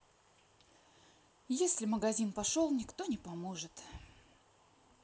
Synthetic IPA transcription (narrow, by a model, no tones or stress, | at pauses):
jesʲlʲɪməɡɐzʲinpɐʂolˠnʲɪkt̪o̞nʲɪpɐmoʐɨt̪